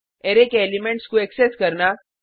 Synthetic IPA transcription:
eɾekelimẽɳʈskuekseskəɾna

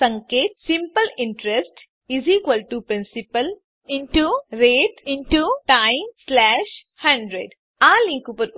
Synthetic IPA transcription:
sɐ̃ŋkeːt̪̚sĩmpəlɪ̃ɳʈɾesʈ | iziːkwɐlʈupɾĩnsipəl | ĩɳʈuɾeːʈiɳʈuʈajmslɛːʃ | hɐ̃ɳɖɾeɖ | aːlĩːkupɐɾ

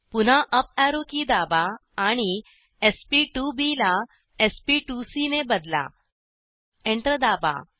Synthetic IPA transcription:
pun̤aʔəp̚aɾokid̪abaːɽ̃i | espiʈubila | espiʈusinebəd̪la̰ | ẽɳʈɾəd̪aba̰

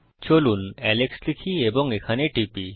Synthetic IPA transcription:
t͡ɕolunɛlekslikʰieboŋekʰaneʈipi

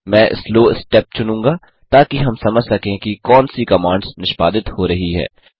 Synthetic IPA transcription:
mɛ̃ːʔɪ̰sloːɪsʈɛːp̚t͡ʃʊnũːŋɡaː | t̪aːkiɦɐmsɐməd͡ʒʱsɐkẽːkikɔːnsikɐmãːɳɖznɪʃpaːd̪ɪt̪hoːɾɐɦiɦɛ̰ː

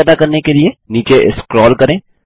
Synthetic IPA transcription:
ɛːd̪akɐɾnekelieniːt͡ʃeʔɪskɾɔːlkɐɾẽː

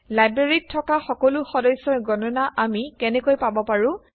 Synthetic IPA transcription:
lajbɹeɹitʰːɔkaxɔkɔlʊxɔdɔjsːɔɹɡɔnɔnaʔamikɛnɛkojpabɔpaɹʊ̃

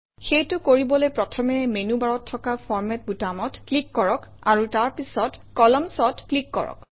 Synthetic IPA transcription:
xejtʊkoɹibɔlojpɹɔtʰɔmɛmenubaɹɔtʰːɔkapʰɔɹmɛt̚butamɔtklikːɔɹɔkaɹutaɹpisɔtkɔlɔmsɔtklikːɔ̰ɹɔ̰k

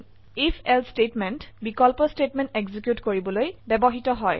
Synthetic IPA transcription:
ifʰɛlstetmɛntbikɔlpɔstetmɛ̃nteɡzikjutkoɹibɔlojbɛbɔɦitɔɦɔj

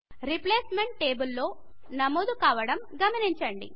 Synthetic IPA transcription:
ɾipleːsme̞ɳʈ̚ːeːbulːo̞ː | nɐmoːd̪ukaːʋɐɽɐmɡɐmɐniɲt͡ʃɐɳɖḭ

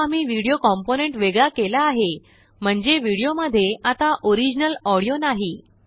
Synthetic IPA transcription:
amiːʋiɽijokɔmponeɳʈʋeɡɭakelaːɦe | m̤əɳd͡zeʋiɽijoməd̪ʱːjeat̪aʔoɾid͡ʑnəlɔɽijonaɦi

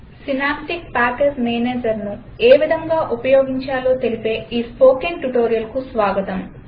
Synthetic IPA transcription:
sinaːpʈik̚paːkesmeːneːd͡ʒɐɾnu | eːʋid̪ʱɐŋɡaːʔupɐjo̞ːɡiɲt͡ʃaːloːt̪elipe̞ːiːspo̞ːkiŋʈuʈo̞ːɾijɐlkusʋaːɡɐt̪ɐm

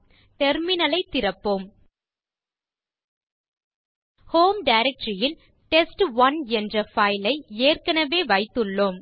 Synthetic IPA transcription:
t̪ɛɾmɪnɐlɐɪt̪ːɪɾɐpːoːm | hoːmɖɐɪɾɛk̚ʈɾɪjɪl | ʈɛsʈʋɐnɛndrɐfɐɪlɐɪeːrkɐnɐʋeːʋɐɪt̪ːɯɭːoːm

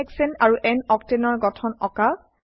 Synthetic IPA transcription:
ɛksɛnaɹuʔɛnɔk̚tenɔɹɡɔtʰɔnɔka

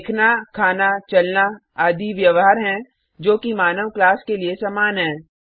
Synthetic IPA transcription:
kʰnakʰaːnat͡ʃɐlna | aːd̪ʱiʋjəʋɦaːɾɦɛ̃ | d͡ʒoːkimaːnəʋklaːskeliesaːmaːnɦɛ̃ː

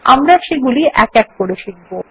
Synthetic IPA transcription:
a̰mɾaʃeɡuliʔɛkɛk̚ːoɾeʃinbo

